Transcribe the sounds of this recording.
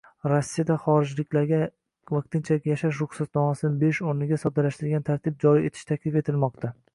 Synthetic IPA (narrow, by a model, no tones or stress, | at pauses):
ɾosːijad̪aχɒɾɪd͡ʒlɪkʲlaɾɡʲa | vaq̚t̪ʰɪnt͡ʃʰakʲjaʃaʃ̬ɾʊχsat̪nɒmasɪnɪbe̞ʃoɾnɪɡʲasɒbd̪alaʃt̪ʰɪɾɡʲant̪ʰaɾt̪ʰɪp̚d͡ʒɒɾie̞t̪ʰɪ̥ʃt̪ʰakʲlɪfe̞t̪ʰɪlmɒqt̪ʰa